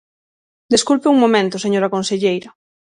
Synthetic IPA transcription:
d̪eskulpeuŋmomẽnt̪oseɲoɾakonseʎejɾɐ

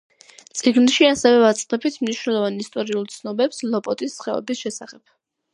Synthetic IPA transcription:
t̪sʼiɡnʃiasɛvɛvat̪sʼqɛbit̪ʰmniʃnɛlˠɔvanist̪ʼɔɾiulˠt̪sʰnɔbɛpslɔpʼɔt̪ʼisːχɛɔ̰bisʃɛsaχɛp̚

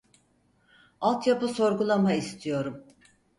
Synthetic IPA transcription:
alˠt̪japɯso̞ɾɡulˠamaist̪ʰijo̞ɾum

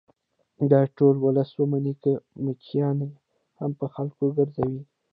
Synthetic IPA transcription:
d̪ɑʈolwʊləswəmanikəmʊkʰijɑna | hampəxalkoɡəɾzawi

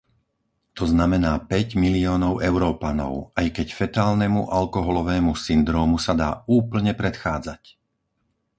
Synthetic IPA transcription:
t̪ɔznamɛnaːpɛɟmiliɔːnɔʊʔɛʊɾɔːpanɔ̰ʊajkɛcfɛt̪aːlnɛmuʔalkɔɦɔlɔʋɛːmusind̪ɾɔːmusad̪aːuːpl̩ɲɛpɾɛt̪xaːd͡zac

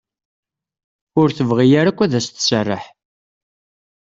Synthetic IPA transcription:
ʊɾθəvʁijaɾakʷːæðæst̪sərˤːə̰ħ

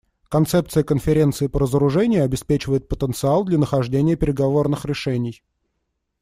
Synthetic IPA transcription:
kɐnt̪sɛp̚t̪sɨjəkənfʲɪɾʲent̪sɨɪpəɾəzəɾʊʐɛnʲɪjʊɐbʲɪspʲet͡ɕɪvəjɪt̪̚pət̪ənt̪sɨalˠd̪lʲɐnəxɐʐdʲenʲɪjəpʲɪɾʲɪɡɐvo̞rnɨxɾʲɪʂɛnʲɪj

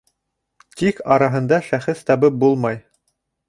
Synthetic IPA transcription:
t̪ikɑɾɑɦɤ̆nd̪ɑʃæχɘθt̪ɑβɤp̚bulˠmɑj

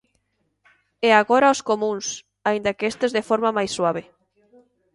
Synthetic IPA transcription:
ɛaɣoɾaoskomũŋs | aind̪akeest̪ezðefɔɾmamajsːwaβe

